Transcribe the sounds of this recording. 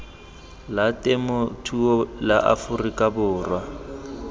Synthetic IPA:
latʼɛmʊtʰuɔlaʔa̰fʊrikʼabʊːrwa

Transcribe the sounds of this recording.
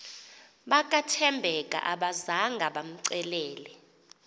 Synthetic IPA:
ɓakʼatʰɛmbʱɛkʼa̰ʔaɓazaŋɡʱaɓam̩ǀɛlɛːlɛ

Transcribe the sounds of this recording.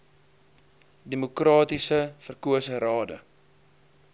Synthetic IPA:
demukrɑːtisəfərkuəsəɾɑːdə̰

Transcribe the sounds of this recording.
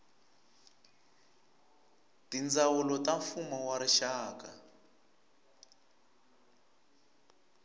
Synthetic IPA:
tind͡zawulɔtaɱfumɔwaɾiʃaːka̰

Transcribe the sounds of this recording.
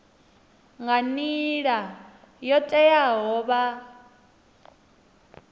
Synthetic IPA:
ŋɡaniɺa | jɔtʼɛjaɦɔːβa

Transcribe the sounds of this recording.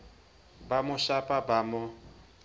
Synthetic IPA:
bamʊʃapʼabamʊ

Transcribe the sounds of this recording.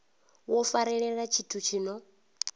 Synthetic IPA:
wɔfaɾɛɺɛɺat͡ʃʰitʰut͡ʃʰiːnɔ

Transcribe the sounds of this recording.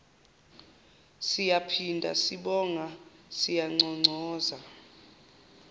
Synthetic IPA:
sijapʰindʱa̰siɓɔŋasijaŋ͡ǀʱɔŋ͡ǀʱɔːza

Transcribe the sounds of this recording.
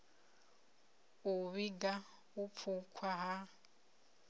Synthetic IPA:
uβiɡa | up̪fʰukʰwaɦa

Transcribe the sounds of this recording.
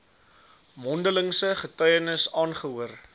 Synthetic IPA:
mɔndələŋsəχətœɥənəsɑːnχəɦuər

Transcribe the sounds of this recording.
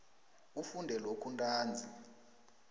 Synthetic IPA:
ufundʱɛlokʰuntʼaːnd͡zʱi

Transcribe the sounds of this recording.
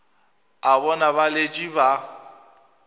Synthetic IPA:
aβɔnaβaled͡ʒʼiba

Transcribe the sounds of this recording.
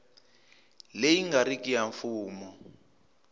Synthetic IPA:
lejiŋɡaɾikijaɱfuːmɔ

